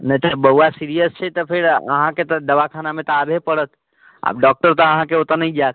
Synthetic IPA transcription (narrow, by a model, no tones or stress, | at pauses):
nəĩt̪əbəɦuasiɾijəst͡ʃʰɛt̪ɔpʰeɾə̰ɦãket̪əd̪əʋakʰanamẽt̪ɔabʱepəɽət̪ | a̰ːb̚ɖɔk̚ʈəɾt̪əəɦãkeot̪ənəĩd͡ʒaːt̪